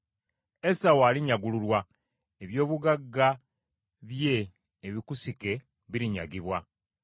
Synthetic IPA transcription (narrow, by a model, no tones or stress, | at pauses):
esawaːliɲaɡululwa | eβjo̞ːβuɡaɡːa | βje̞ː | βikusike̞ | βiɾiɲa̰ɡiβwa